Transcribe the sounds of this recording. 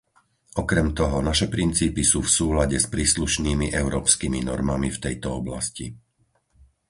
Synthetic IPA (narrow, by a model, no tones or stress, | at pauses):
ʔɔkɾɛmt̪ɔɦɔnaʃɛpɾint͡siːpisuːfsuːlaɟɛspɾiːsluʃniːmiʔɛʊɾɔːpskiminɔɾmamift̪ɛjt̪ɔɔbla̰scḭ